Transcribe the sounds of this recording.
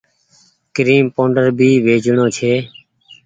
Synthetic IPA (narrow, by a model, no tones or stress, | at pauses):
kɾiːmpõːɳɖəɾbʱiːʋeːd͡ʒʱɳõːt͡ʃʰeː